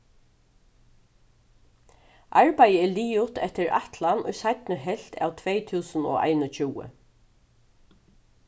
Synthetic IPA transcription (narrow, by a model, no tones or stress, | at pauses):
ʔaɹpajəɛɭiːʊt̪ɛht̪ɪɾa̰ht̪lanʊ̰jsajt̪nəɦɛl̥t̪ʰa̰wt̪ʰʋejt̪ʰuːsəno̰ːʔa̰ɪnət͡ɕuːə̰